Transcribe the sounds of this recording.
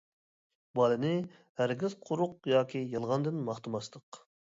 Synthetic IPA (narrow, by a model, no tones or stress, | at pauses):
bɑlˠɨnɪ | hæɾɡʲizqʰʊɾʊq̚jɑːkʲijɑlˠʁɑnd̪ɨnmɑχt̪ɨmɑst̪ʰəq